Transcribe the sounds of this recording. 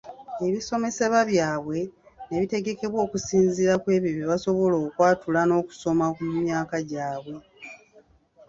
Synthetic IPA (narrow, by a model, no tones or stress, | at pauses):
e̞βiso̞me̞se̞βaβjaːβwe̞ | neβite̞ɡe̞ke̞βwo̞ːkusiːnziɾakwe̞ːβiβiβaso̞βo̞lo̞ːkwaːtulano̞ːku̥so̞makumumjaːkaɟaːβwe̞